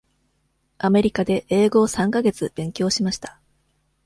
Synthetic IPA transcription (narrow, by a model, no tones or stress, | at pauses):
ame̞ɾʲikad̪e̞ʔeːɡo̞ːsãŋkaɡe̞t͡sɨb̥ẽ̞ŋkʲo̞ːɕimaɕi̥t̪ḁ